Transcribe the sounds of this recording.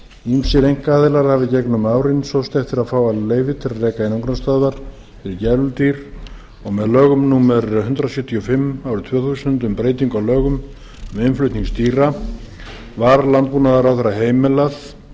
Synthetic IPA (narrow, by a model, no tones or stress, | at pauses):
imsɪɾejŋ̥kaːðɪlaɾ̥havɪcɛknʏmaːwɾɪnsowst̪ɛft̪ɪɾaðfaːwaleːjvɪt̪ʰɪlaðrɛːkaɪnuŋkɾast̪aðvaɾ̥ | fɪɾɪcɛɾlʏlt̪iɾ̥ | ɔɣmɛðlœːɣʏmnuːmɛɾɦʏnt̪ɾasjœht̪ʰiɔfɪmːawɾʏt̪ʰvœːθuːsʏnt̪ʏmpɾeːjt̪̬iŋkawlœːɣʏm | mɛɪmflʏɥt̪niŋst̪iːɾa | vaɾlant̪̚puːnaðaɾawθɛjɾːaɦeːjmɛlaθ